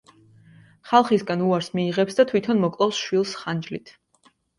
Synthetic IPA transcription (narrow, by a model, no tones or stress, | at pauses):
χalˠχisɡanuaɾsmiːʁɛpsd̪at̪ʰwit̪ʰɔnmɔkʼlˠɔfsʃwilˠsχand͡ʒlit̪ʰ